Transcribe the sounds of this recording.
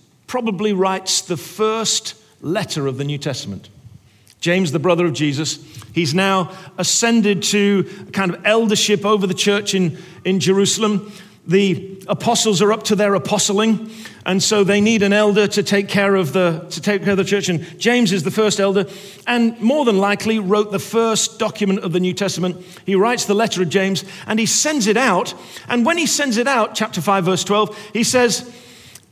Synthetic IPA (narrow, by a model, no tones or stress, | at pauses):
pʰɹ̥ɑbəbliɹaɪtsðəfɜ˞st | lɛɾə˞ʌvðɨnjʉtʰɛstəmə̃n̩ʔ | d̥ʒ̥ẽɪ̃mzðəbɹʌðə˞ʌvd͡ʒizɨshiznaʊəsɛ̃ndɪd̚tʰɨəkʰãɪ̃ndʌvɛlˠdə˞ʃɪpoʊvə˞ðɨt͡ʃʰɜ˞t͡ʃɨ̃n | ɨ̃nd͡ʒə˞ʉsl̩ˠə̃m | ðiəpʰɑsl̩ˠzə˞ʌp̚tʰɨðə˞əpʰɑsl̩ˠɪ̃ŋʔɨ̃nsoʊðeɪniɾɨ̃nɛlˠdə˞ɾɨtʰeɪkʰɛɹʌvðəɾʰɨtʰeɪkʰɛɹʌvðɨt͡ʃʰɜ˞t͡ʃɨ̃n̥d͡ʒ̥ẽɪ̃mzɨzðɨfɜ˞stɛlˠdə˞ | ɨ̃nmɔɹðə̃nlaɪkʰliɹoʊt̪̚ðəfɜ˞sd̥ɑkʰjɨmɨ̃ntʌvðɨnjʉtʰɛstəmə̃nʔ̚ | hiɹaɪtsðəlɛɾə˞ʌvd͡ʒẽɪ̃mzʔɨ̃nisɛ̃ndzɨɾaʊtʔɨ̃nwə̃nisɛ̃ndzɨɾaʊt̚t͡ʃʰæp̚tə˞faɪvɜ˞stʰw̥ɛlˠv̥isɛz̥